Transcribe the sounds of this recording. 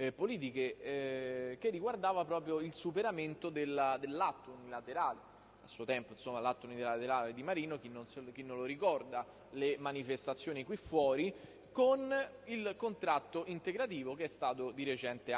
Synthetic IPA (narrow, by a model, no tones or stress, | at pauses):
poliːt̪̬ike | kerːiɡward̪aːvapɾɔːpɾjoilsupeɾament̪od̪elːad̪elːat̪ːounilat̪eɾaːle | a̰sːuːot̪ɛmpoinsomːalat̪ːounillat̪eɾaːled̪imaɾiːnok̟inːonsk̟inːoloɾikɔrd̪a | lemanifest̪at̪sːjoːnikwifːwɔːɾi | kon | ilkont̪ɾat̪ːoʔint̪eɡɾat̪̬iːvokeɛst̪aːt̪od̪iɾet͡ʃɛnt̪e